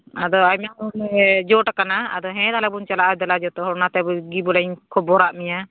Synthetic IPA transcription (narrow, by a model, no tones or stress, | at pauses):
ad̪ɔamamund͡ʒɔʈakana̰ːd̪ɔɦɛ̃d̪alɛbunt͡ʃalaʔɛd̪ɛlad͡ʒɔt̪ɔɦɔɾnat̪ɛbuɡibɔlaɲkʰɔbɔɾaʔmiɲa